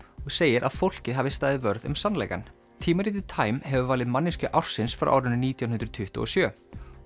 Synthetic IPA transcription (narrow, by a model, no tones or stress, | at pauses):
ɔɣseːjɪɾʔa̰ðfowl̥cɪɦaːvɪst̪aːjðɪvœɾðʏ̰msanlɛ̰jka̰n | t̪ʰiːmaɾiːt̪ɪt̪ʰaːjmhɛvʏvaːlɪðmanːɪscʏʔawr̥sɪnsfɾa̰wʔaːwɾʏnːʏniːt̪jawnɦʏnt̪ɾt̪ʰʏht̪ʊ̰ɔsjœː